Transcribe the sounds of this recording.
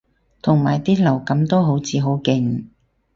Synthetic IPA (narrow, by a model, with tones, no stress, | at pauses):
t̪ʰʊ˨˩ŋmaː˨˩jt̪iː˥lɐ˨˩wkɐ˨˥mt̪o˥wɦo˨˥wt͡sʰiː˨˧ɦo˨˥wkɪ˧ŋ